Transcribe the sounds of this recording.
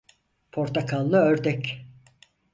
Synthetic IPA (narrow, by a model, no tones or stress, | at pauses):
pʰoɾt̪ʰakʰalˠːɯøɾd̪ɛc